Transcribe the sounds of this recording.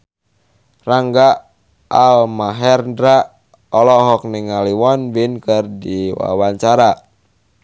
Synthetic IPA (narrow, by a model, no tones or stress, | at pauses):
raŋɡa | almaɦɛrndɾa | ɔlɔɦɔk̚niŋaliwɔnwinkərdiwa̰waɲt͡ʃaɾa